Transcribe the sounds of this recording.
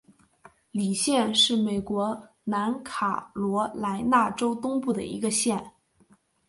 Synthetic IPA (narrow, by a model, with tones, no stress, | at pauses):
li˨˩ɕjɛ˥˧nʂɻ̩˥˩me˨˩ɪkwɔ˧˥ | na˧˥nkʰa̰˨˩lwɔ˧˥la˧˥ɪna˥˩ʈ͡ʂo˥ʊt̪ʊ˥ŋpu˥˩d̪ə̰˩ḭ˧˥ɡə˧ɕjɛ˥˩n